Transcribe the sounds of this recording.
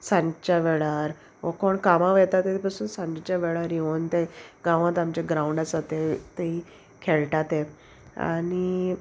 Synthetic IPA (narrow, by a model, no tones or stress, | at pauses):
sãɲd͡ʑt͡ɕaʋɛɭaɾ | ʋəkoɳkamaʋɛt̪at̪et̪epasuːnsãɲd͡ʑt͡ɕaʋɛɭaɾjeɦont̪eɡãʋãt̪amt͡ɕaɡɾauɳɖat͡sat̪et̪ei | kʰeɭʈat̪e | a̰ni